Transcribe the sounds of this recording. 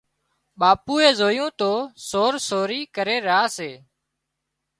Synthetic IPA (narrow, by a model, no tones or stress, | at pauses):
ɓaːpuːeːzoːjõːt̪oːsoːɾsoːɾiːkəɾeːɾaːseː